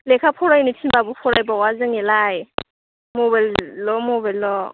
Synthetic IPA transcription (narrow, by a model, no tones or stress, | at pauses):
lekʰapʰɔɾajnitʰinbabupʰɔɾajbawazɯŋɛlaj | mobalːɔmɔbajlːɔ